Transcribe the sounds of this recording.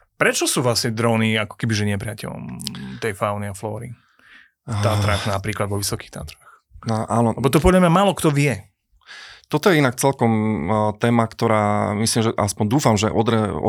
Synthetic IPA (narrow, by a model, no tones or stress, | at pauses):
pɾɛt͡ʃɔsuːʋlasɲɛd̪ɾɔːniakɔ̥kɛbiʒɛɲɪɛpɾɪacɛ̰ʎɔ̰mt̪ɛjfaʊniaflɔːɾḭ | t̪aːt̪ɾaxnapɾiːklad̪ʋɔʋisɔki̥xt̪a̰ːt̪ɾax | naʔaːnɔɛbɔt̪ɔp̬ɔd̪lamɲamaːlɔkt̪ɔʋɪɛ | t̪ɔt̪ɔjɛinak̚t͡sɛlkɔmt̪ɛːmakt̪ɔɾaːmislimʒɛʔaspɔnd̪uːfamʒɛʔɔd̪ɾɛɔ̰